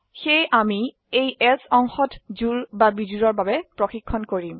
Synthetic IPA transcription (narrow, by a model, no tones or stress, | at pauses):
xejʔami | ejɛsɔŋxɔtzuɹbabizuɹɔɹbabɛpɹɔxikʰːɔnkoɹim